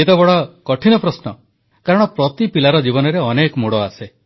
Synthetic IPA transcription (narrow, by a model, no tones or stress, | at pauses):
et̪ɔbɔɽɔkɔʈʰinɔpɾɔsnɔ | kaɾɔɽ̃ɔpɾɔt̪ipilaɾɔd͡ʒibɔnɔɾeɔnekɔmoɽɔase